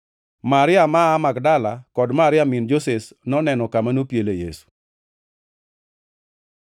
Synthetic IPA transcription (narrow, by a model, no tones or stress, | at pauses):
maɾɪamaːmaɡdalakɔdmaɾɪamind͡ʒoses | nɔnɛnɔkamanopjelejḛsu̥